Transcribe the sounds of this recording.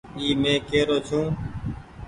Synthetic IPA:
iːmẽːkeːɾoːt͡ʃʰũː

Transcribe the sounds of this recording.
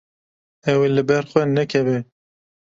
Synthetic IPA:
ɛwelɨbɛɾxʷɛnɛkʰɛve

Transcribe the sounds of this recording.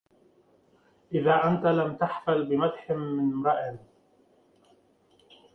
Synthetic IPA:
ʔɪðaːʔant̪alamt̪aħfalbɪmad̪ħɪːɪnɾˤɑʔɪn

